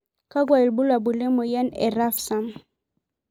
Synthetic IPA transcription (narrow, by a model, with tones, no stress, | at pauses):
ka˦ɡwa˨i˨lbu˦la˨bu˨le˦mo˨jɛ˦nɛ̰˨ɾa˦fsa˦m